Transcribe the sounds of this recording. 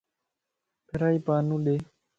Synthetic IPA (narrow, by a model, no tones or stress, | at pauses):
pʰɪɾaːiːpaːnũːɗeː